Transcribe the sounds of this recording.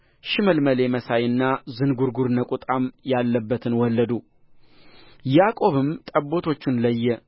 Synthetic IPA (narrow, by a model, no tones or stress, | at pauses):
ʃɪməlməle̞məsajɨnːazɨnɡuɾɡuɾnəkʼut̪ʼamjalːəbːət̪ʰɨnwɔlːəd̪u | jakʼo̞βɨmt̪ʼəbːo̞t̪ʰo̞t͡ʃːɪnləjːɛ